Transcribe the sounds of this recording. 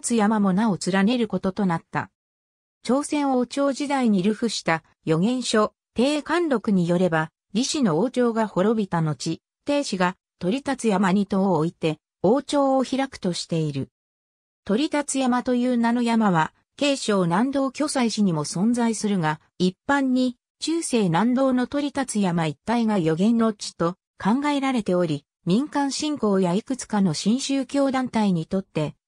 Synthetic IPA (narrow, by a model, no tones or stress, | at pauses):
t͡sɨjamamo̞naot͡sɨɾane̞ɾɯ̟ko̞t̪o̞t̪o̞nat̪ːa̰ | t͡ɕo̞ːsẽ̞ɰ̃o̞t͡ɕo̞ːʑid̪aiɲ̟iɾɯ̟ɸɯ̟ɕi̥t̪a | jo̞ɡẽ̞ɰ̃ɕo̞ | t̪e̞ːkãnɾo̞kɯ̟ɲ̟ijo̞ɾe̞ba | ɾʲiɕino̞oːt͡ɕo̞ːɡaho̞ɾo̞bʲit̪ano̞t͡ɕi | t̪e̞ːɕiɡa | t̪o̞ɾʲit̪at͡sɨjamaɲ̟it̪o̞oit̪e̞ | o̞ːt͡ɕo̞ːoçiɾakɯ̟̥t̪o̞ɕi̥t̪e̞iɾɯ | t̪o̞ɾʲit̪at͡sɨjamat̪o̞jɯ̟ːnano̞jamaβa | ke̞ːɕo̞ːnãnd̪o̞ːkʲo̞saiɕiɲ̟imo̞sõ̞nd͡zaisɨɾɯ̟ɡa | ipːãɲ̟ːi | t͡ɕɨːse̞ːnãnd̪o̞ːno̞t̪o̞ɾʲit̪at͡sɨjamait̪ːaiɡajo̞ɡẽ̞nːot͡ɕi̥t̪o̞ | kʰãŋɡae̞ɾaɾe̞t̪e̞o̞ɾʲi | mʲĩŋkãɰ̃ɕĩŋko̞ːjaikɯ̟t͡sɨ̥kano̞ɕĩɰ̃ɕɨːkʲo̞ːd̪ãnt̪aiɲ̟it̪o̞t̪ːe̞